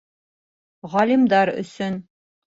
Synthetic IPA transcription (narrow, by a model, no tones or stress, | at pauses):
ʁɑlʲimd̪ɑɾɵ̰̆sɵn